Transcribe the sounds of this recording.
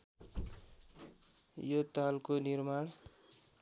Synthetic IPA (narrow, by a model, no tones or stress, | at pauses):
jot̪alkonirmaɽ